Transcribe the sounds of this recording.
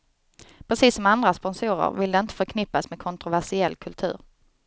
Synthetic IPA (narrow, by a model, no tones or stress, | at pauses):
pʰɾɛsiːsɔmand̪ɾaspɔnsuːɾə̰ɾvɪld̪ɛɪnt̪ə̥fœɾkʰnɪpːasmɛd̪̚kʰɔnt̪ɾʊvæʂɪɛlːkʰɵlt̪ʰʉ̟̰ːɾ